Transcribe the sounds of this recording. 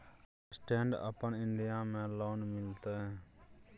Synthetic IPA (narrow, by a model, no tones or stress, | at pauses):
sʈẽːɳɖə̰pəɳɪɳɖɪjãːmɛ̃ːloːnmɪlt̪ɛ̃